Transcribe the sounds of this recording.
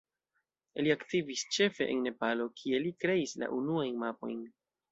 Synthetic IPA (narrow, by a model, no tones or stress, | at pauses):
liaktivist͡ʃe̞fe̞ʔḛnːe̞palo̞kʰie̞likɾe̞isla̰ʔunuajnmapo̞̰jn